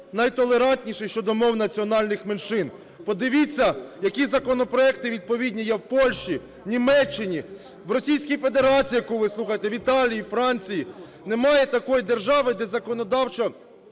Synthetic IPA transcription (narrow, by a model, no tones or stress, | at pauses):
nɐjt̪ɔlˠe̞ɾɑnʲt̪ʲnʲiʃɪjʃt͡ʃɔd̪ɔmɔwnɐt͡sʲiɔnɑlʲnɪxmenʃɪn | pɔd̪ɪʋʲɪt͡sʲːɐjɐkʲizɐkɔnɔpɾɔɛk̚t̪ɪʋʲid̪̚pɔʋʲidʲnʲijɛwpɔlʲʃt͡ʃi | nʲimɛt͡ʃːɪnʲi | wrɔsʲijsʲkʲijfe̞d̪e̞ɾɑt͡sʲijɐkuʋɪslˠuxɐjet̪ɛʋʲit̪ɑlʲijifɾɑnʲt͡sʲiji | nemɑjɛt̪ɐkɔjd̪e̞rʒɑʋɪd̪ɛzɐkɔnɔd̪ɑwt͡ʃɔ